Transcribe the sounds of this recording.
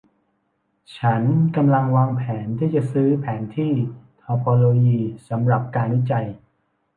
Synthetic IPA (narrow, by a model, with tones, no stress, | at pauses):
t͡ɕʰa˦˥nka˧mla˧ŋwaː˧ŋpʰɛː˩˦nt̪ʰiː˥˩t͡ɕa˨˩ʔsɯː˦˥pʰɛː˩˦nt̪ʰiː˥˩t̪ʰɔː˧pʰɔː˧loː˧jiː˧sa˩˦mɾa˨˩p̚kaː˧nwi˦˥˩t͡ɕa˧j